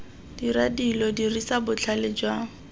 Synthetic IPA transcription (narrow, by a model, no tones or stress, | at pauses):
d̥iradilɔdirisabʊt͡ɬʰalɪd͡ʒwaːŋ̩